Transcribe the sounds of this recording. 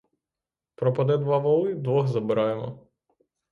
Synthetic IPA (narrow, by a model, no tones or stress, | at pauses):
pɾɔpɐd̪ɛd̪ʋɑʋɔlˠɪd̪ʋɔxzɐbɪɾɑjemɔ̰